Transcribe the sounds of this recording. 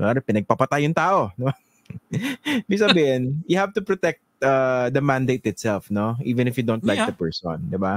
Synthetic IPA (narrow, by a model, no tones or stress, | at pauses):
aːdɐpɪnɐɡ̚pɐpɐt̪ajʊŋt̪aːʔo̞d̪ɪba | ɪbiɡ̚sɐbiːhɪnjʊhavt̪ʊpɾot̪ɛk̚t̪̚ad̪ɐmãnd̪ejt̪ɪt̪sɛlfnoʔiːvɛ̃nɪfjʊd̪ont̪lajk̚d̪ɐpɛɹsõ̰nd̪ɪba